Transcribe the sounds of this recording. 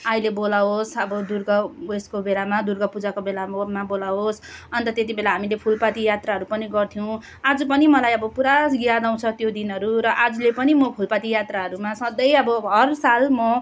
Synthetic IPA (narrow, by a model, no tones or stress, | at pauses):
ailebolaɦosʌbʌd̪urɡʌeskobelamad̪urɡʌpud͡zakobelamabolaɦos | ʌnt̪ʌt̪et̪̬ibelaɦamilepʰulpat̪ijat̪raɦʌɾupʌniɡʌrt̪ʰijow̃ | ad͡zupʌnimʌlajʌbʌpuɾasɡjad̪aw̃t͡sʰʌt̪jod̪inɦʌɾuɾʌʔad͡zulepʌnimʌpʰulpat̪ijat̪raɦʌɾumasʌd̪ʌjʌbʌɦʌrsalmʌ